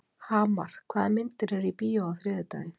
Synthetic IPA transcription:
haːma̰ɾ̥kʰvaːðamɪnt̪ɪɾɛɾipiːjaawθɾɪðɪt̪a̰ɪn

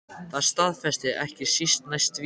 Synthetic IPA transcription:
θaðst̪aðfɛst̪ɪɾɛhcɪsist̪najst̪v

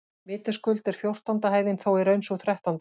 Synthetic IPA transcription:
vɪːt̪ɪ̥skʏlt̪ɛɾ̥fjowr̥t̪ant̪aɦaːjðɪnθoːwɛɾœɥnsuθɾɛht̪ant̪

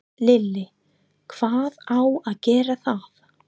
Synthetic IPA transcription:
lɪlːɪ | kʰv̥aːðawaðcɛːɾaθað

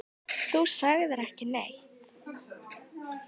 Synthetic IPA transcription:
θusaɣðɪɾɛhcɪnḛjht̪

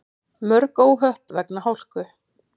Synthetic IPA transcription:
mœɾkoːwɦœhpvɛknahawl̥kʏ

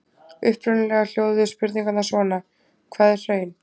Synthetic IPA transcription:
ʏhpɾʏnɪlɛɣal̥joːwðʏspɪɾt̪niŋkat̪nasɔːna | kʰvɛːðɪ̥r̥œːɥjn

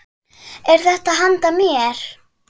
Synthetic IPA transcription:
ɛɾ̥θɛht̪aɦant̪amjɛɾ̥

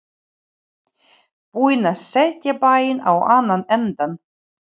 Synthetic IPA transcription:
puːjnasɛt̪japaːjɪna̰waːnːanɛnt̪an

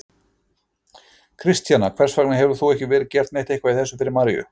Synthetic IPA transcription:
kʰɾɪst̪janakʰv̥ɛɾ̥sfaknɪɦɛvʏɾ̥θuɛhcɪvɛːɾɪcɛɾ̥t̪nejht̪ejhkvaiðθɛsːʏfɪɾɪɾmaɾjʏ̰

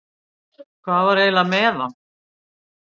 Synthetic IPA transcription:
kʰvaːvaɾeːjlamɛːðam

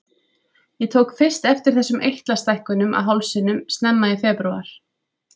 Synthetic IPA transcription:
jɛt̪ʰoːwkfɪr̥st̪ɛft̪ɪɾ̥θɛsːʏmʔejht̪last̪ajhkʏnʏmʔa̰ðɦawlsɪnʏmst̪nɛmːaifɛːpɾua̰ɾ̥

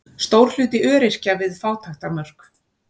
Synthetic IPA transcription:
st̪owɾ̥l̥ʏːt̪ɪʔœːɾɪr̥cavɪðfaːwt̪ʰaxt̪amœr̥k

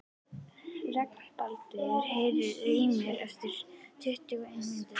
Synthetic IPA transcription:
rɛknpalt̪ɪɾ̥hejðɪriːmɛɾɛft̪ɪɾ̥t̪ʰʏht̪ʏɣaejnmɪnt̪ɪ

